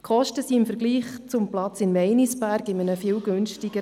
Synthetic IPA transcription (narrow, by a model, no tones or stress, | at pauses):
kχɔʃtəsiɪmfəɾɡ̥liːχt͡sʊmplɑt͡sɪnmɛɪnisbæɾɡɪmənəfɪːlɡønʃtɪɡ̥ə